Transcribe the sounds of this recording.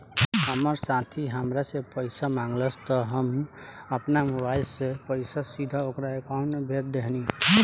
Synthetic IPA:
ɦəməɾsãt̪ʰiɦəmɾasepəjsamãŋɡləst̪ɔɦəm | əpnamubajsepəɪsasid̪ʱaokɾaekaunebʱet̪d̪eɦni

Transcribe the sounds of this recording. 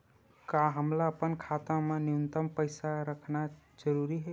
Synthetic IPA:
kaɦəmlaəpənkʰat̪ãmeniənt̪əmpəɪsaɾəkʰna | d͡ʒəɾuɾiɦɛ

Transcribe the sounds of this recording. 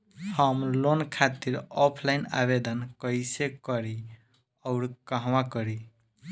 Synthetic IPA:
həmlonkʰat̪iɾɔpʰlaina̰βed̪ənkəjsekəɾi | ɔʊɾkaɦwakəɾi

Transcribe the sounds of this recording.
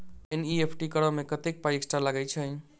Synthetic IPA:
eniepʰʈikəɾəmekət̪ek̚pajeksʈalaɡɛt͡ʃʰə

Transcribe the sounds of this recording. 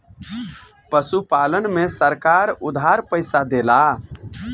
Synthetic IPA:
pəsupalənmesəɾkaɾud̪ʱɦaɾpəɪsad̪ela

